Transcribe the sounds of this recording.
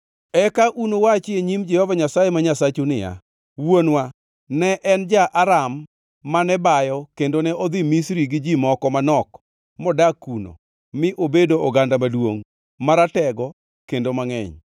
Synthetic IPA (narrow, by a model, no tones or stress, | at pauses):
ɛkaʔunowat͡ʃɪeɲimd͡ʒɛhɔvaɲasajemaɲasat͡ʃunɪja̰ | wonwa | nɛʔɛnd͡ʒaʔaɾamː | anɛbajɔkendonɛʔɔd̪imisɾiɡɪd͡ʒimɔkɔmanɔk | mɔdakuno̰ | mɪʔobedoɔɡandamadwo̰ŋ | maɾatɛɡɔ | kendomaŋɛ̰ɲ